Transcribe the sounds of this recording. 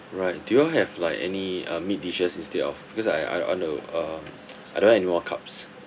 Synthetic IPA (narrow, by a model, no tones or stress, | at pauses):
ɹaɪt̚d̥ujuaɦɛvlaɪkɛ̰niʌ̃mit̚diʃəsĩnstedɔ̰fb̥ikɔsa̰ja̰ɔ̰̃nəʌm | ʔajdõnhɛɛnimɔkʰa̰ps